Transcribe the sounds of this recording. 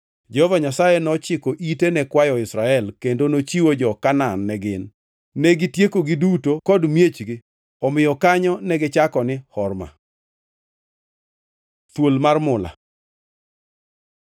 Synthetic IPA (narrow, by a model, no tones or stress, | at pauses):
d͡ʒɛhɔvaɲasajɛnɔt͡ʃɪkoʔitenɛkwajɔɪsɾaɛlkendonot͡ʃiwod͡ʒɔkananːɛɡɪnː | ɛɡitjekoɡidutokɔdmjet͡ʃɡɪ | ɔmɪjɔkaɲɔnɛɡɪt͡ʃakɔnɪhɔrma̰ | t̪wolmarmʊla̰